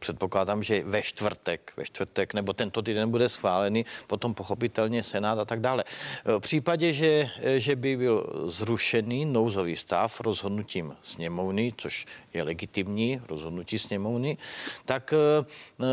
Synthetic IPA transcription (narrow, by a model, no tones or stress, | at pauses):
pr̥ɛt̪poklaːdaːmʒɛvɛʃt̪vr̩t̪ɛkvɛ̰ʃt̪vr̩t̪ɛknɛbot̪ɛnt̪ot̪iːdɛnbudɛsxʋaːlɛnipot̪ompoxopit̪ɛlɲɛsɛnaːt̪at̪aɡdaːlɛpr̝̥iːpaɟɛʒɛʒɛbɪbɪlzɾuʃɛniːnowzoviːst̪a̰fɾozɦod̪nuciːmsɲɛmovnɪt͡soʃjɛlɛɡɪt̪imɲiːɾo̰zɦod̪nuciːsɲɛmovnɪt̪ak